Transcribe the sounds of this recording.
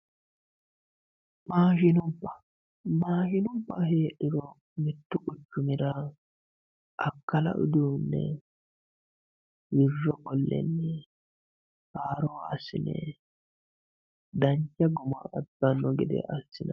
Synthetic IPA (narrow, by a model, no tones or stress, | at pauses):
maːʃɪnʊbːɐ | maːʃɪnʊbːɐheːʔːɪɾɔ | mɪt̪ːʊʔʊt͡ʃːʊmɪɾɐ | ʔɐkːɐlɐ̰ʔʊ̰d̪uːnːɛ̰ | wɪrːɔkɔlːɛ̰nːɛ | haːɾoːɐsɪnɛ̰ | d̪ɐɲt͡ʃːɐɡʊma̰ɐd̪ːɐnːɔɡɪd̪ɛ̰ʔɐsːɪnɐ